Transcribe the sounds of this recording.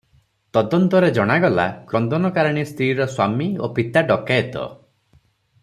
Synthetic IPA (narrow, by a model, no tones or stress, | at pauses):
t̪ɔd̪ɔnt̪ɔɾed͡ʒɔɽ̃aɡɔla̰kɾɔnd̪ɔnɔkaɾɽ̃ist̪ʰɾiɾɔswamiopit̪aɖɔkaet̪ɔ̰